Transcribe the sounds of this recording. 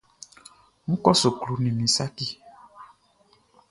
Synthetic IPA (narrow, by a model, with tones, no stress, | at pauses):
mũ˦kɔ˦so˨klu˨nĩ˨mĩ˨sa˦ki˦